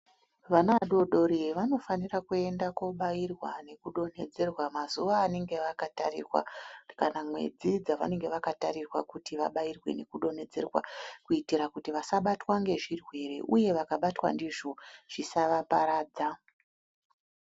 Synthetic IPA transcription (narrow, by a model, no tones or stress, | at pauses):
ʋanaɗo̞ɗo̞ɾeʋano̞fanirakue̞ndakuɓairwa̰ne̞kuɗo̞ne̞d͡ze̞rwamazuʋaːne̞ŋɡe̞ʋakatarḭrwa̰kanamwe̞̰d͡zid͡zaʋa̰ne̞ŋɡe̞ʋakatarirwa̰kutiʋa̰ɓajirwe̞̰ne̞kuɗo̞ne̞d͡ze̞rwa̰kuitiɾakutiʋasaɓatwaŋɡe̞ʐirwe̞re̞̰ʔuje̞ʋakaɓatwa̰ndiʐoʐ̥isaʋapaɾaːd͡za